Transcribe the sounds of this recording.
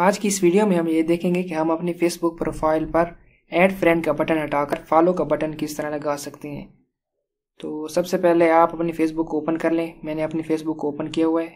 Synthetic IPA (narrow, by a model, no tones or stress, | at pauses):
aːd͡ʒkiɪsʋiːɖijomẽɦɐmjed̪eːkʰẽːŋɡekeɦɐmɐpnifeːsbʊk̚pɾoːfʰaːɪlpɐɾ | ɛːɖfɾɛ̃ːɳɖkabɐʈənɦɐʈaːkɐɾfaːlokabɐʈənkɪst̪ɐɾalɐɡaːsɐkt̪eɦɛ̰̃ː | t̪oːsɐbsepɛɦleaːpɐpnifeːs̬bʊkːooːpənkɐɾlẽːmɛ̃ːneɐpnifeːsbʊkːooːpənkijaɦʊaɛː